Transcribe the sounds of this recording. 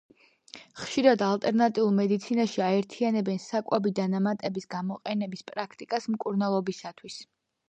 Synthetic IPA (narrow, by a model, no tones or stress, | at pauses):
χʃiɾad̪alˠt̪ʼɛɾnat̪ʼiulˠmɛd̪it̪sʰinaʃiaɛɾt̪ʰianɛbɛnsakʼwɛbid̪anamat̪ʼɛbisɡamɔqʼɛnɛbispʼɾakʰt̪ʼikʼasmkʼuɾnalˠɔbisat̪ʰwis